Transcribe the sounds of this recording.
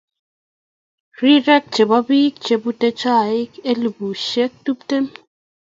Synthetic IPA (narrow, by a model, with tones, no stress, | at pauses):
ri˦ɾɛ˦k̚t͡ʃe˨bɔ˦bi˦k̚t͡ʃe˨bu˦te˦t͡ʃa˦˨i˦ke˦lu˨bu˨ʃe˦k̚tu˦p̚te˦m